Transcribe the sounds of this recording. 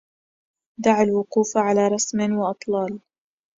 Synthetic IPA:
d̪aʕalwʊquːfʕalaːɾˤɑsmɪwɪʔɑt̪ˤlɑːl

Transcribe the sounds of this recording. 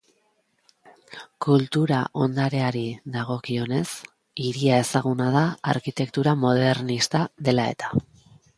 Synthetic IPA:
kult̪uɾaʔo̞nd̪aɾe̞aɾiðaɣ̞o̞kio̞ne̞s | iɾiae̞saɣunað̞aa̰ɾkit̪e̞kt̪uɾamo̞ð̞e̞ɾnist̪aðe̞lae̞̰t̪ḁ

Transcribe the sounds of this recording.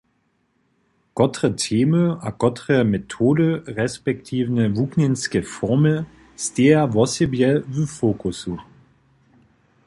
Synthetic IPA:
ɡ̥ɔtʁətʰeːməaɡ̥ɔtʁəmetʰoːdəʁɛspɛk̚tʰiːvnəvukninskəfɔʁmə | steːɐvɔsibjɛvyfoːkʰusu

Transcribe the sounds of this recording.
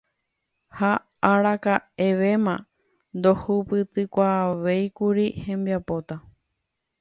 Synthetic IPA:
ha | aɾakae̞ʋe̞mã | nd̪ohupɨt̪ɨkʷaʋejkuɾihẽ̞mbiapo̞t̪a

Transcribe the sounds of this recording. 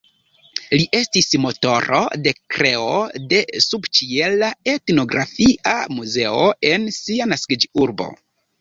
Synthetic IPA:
liʔe̞stismo̞to̞ɾo̞̰de̞kɾe̞ode̞subt͡ʃie̞lae̞tno̞ɡɾafiʔa̰muze̞oe̞nsianaskid͡ʒiuɾbo̞̰

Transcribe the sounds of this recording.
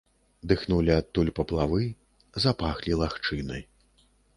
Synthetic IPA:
d̪ɨxnulʲiat̪ːulʲpɐplˠavɨ | zapaxlʲilˠaxt͡ʂɨnɐ̰j

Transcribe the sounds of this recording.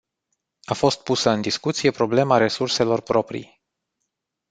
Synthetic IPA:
afo̞st̪̚pusəɨnd̪iskut̪sije̞pɾo̞ble̞maɾe̞surse̞lo̞rpɾo̞pɾḭj

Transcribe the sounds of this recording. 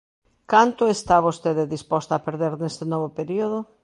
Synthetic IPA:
kant̪ʊest̪aβost̪eðɪðispɔst̪aapeɾðeɾnest̪enɔβopeɾioðo

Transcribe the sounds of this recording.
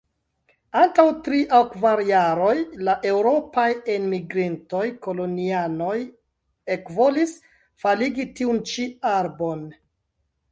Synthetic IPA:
antawtɾiʔawkvaɾjaɾo̞jlaʔe̞wɾo̞pajenmiɡɾinto̞jko̞lo̞niano̞j | e̞kvo̞lis | faliɡitiunt͡ʃiaɾbon

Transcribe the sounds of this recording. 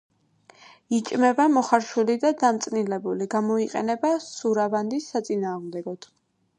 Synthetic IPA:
it͡ʃʼmɛbamɔχaɾʃulid̪ad̪amt̪sʼnilɛbuliɡamɔiqʼɛ̰nɛbasuɾaband̪isːat̪sʼinaːʁmd̪ɛɡɔd̪̥

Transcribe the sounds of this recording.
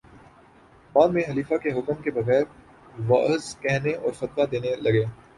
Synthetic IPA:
baːd̪mẽɦɐliːfakeɦʊkəmkebɐɣɛːɾ | ʋa̰ːzkɛɦneʔɔːɾxɐt̪wad̪eːnelɐɡeː

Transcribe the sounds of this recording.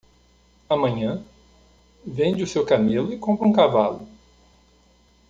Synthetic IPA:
amɐ̃ɲɐ̃ | vẽd͡ʒɪʊsewkamelʊɪkõmpɾɐũkavalʊ

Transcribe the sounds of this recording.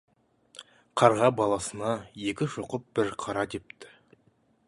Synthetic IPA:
qʰɑɾʁɑbɑlˠɑsənɑje̞kʲɪʃoqəp̚b̥ɪɾqʰɑɾɑt̪ep̚t̪ɪ̥

